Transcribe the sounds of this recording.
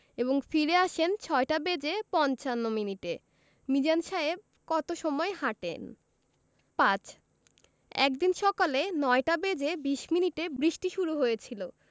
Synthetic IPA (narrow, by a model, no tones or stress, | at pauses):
eboŋfiɾeaʃent͡ɕʰɔeʈabed͡ʑepɔnt͡ɕanːominiʈe | mid͡ʑanʃaeb̚ | kɔt̪oʃɔmɔehaʈḛn | pãt͡ɕ | ɛ̰kd̪inʃɔkalenɔeʈabed͡ʑebiʃminiʈebɾiʃʈiʃuɾuɦojet͡ɕʰilo